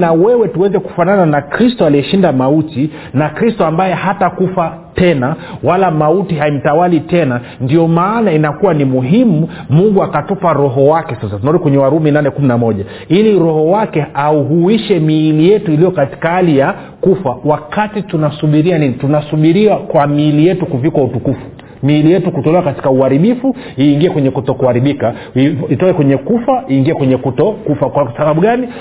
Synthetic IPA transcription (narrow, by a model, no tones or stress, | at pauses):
nawɛwɛtuwɛzɛku̥fanananakɾistɔaliɛʃindamauti | nakɾistɔambajɛhatakufa | tɛnawalamautiɦaim̩tawalitɛna | ndiɔmaːnainakuwanimuɦimumuŋɡuakatupaɾɔɦɔwakɛsasatunauɾikwɛɲɛwaɾuminanɛkuminamɔʄa | iliɾɔhɔwakɛauɦuiʃɛmiːlijɛtuilijɔkati̥kahalija | kufawakatitunasuɓiɾianinitunasuɓiɾiwakwamilijɛtukuvikwautukufu̥ | miːlijɛtukutɔlɛwakati̥kauaɾiɓifu | iːŋɡiɛkwɛɲɛkutɔkuaɾiɓika | iitɔlɛkwɛɲɛkufaiːŋɡiɛkwɛɲɛkutɔkufakwakasaɓaɓuɠani